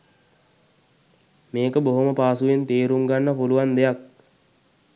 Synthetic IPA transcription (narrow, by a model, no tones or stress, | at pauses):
meːkəboɦoməpaːsuʋent̪eːɾumɡanːəpuluʋand̪ejak̚